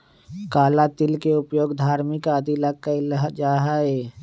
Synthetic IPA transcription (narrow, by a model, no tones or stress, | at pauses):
kaːlat̪ɪlkeʊpjoːɡd̪ʱaːɾmɪkaːd̪ʱilak̚kalɦd͡ʒaːɦaeː